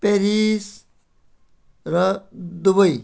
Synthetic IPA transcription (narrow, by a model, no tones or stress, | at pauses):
peɾis | ɾʌd̪ubʌj